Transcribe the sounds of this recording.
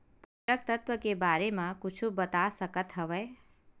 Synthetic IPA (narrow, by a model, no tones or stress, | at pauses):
pəɾək̚t̪ət̪ʋəkebaːɾemãkʊt͡ʃʰubət̪asəkət̪ɦəʋɛː